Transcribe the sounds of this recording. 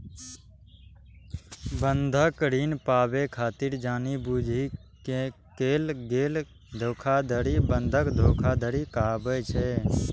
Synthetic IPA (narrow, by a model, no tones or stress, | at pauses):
bənd̪ʱəkɾiːnpaːbekʰaːt̪iɾd͡ʒaːnibud͡ʒʱike | keːlɡeːl | d̪ʱoːkʰad̪ʱəɾibənd̪ʱəkd̪ʱoːkʰad̪ʱəɾikaːbet͡ʃʰɛ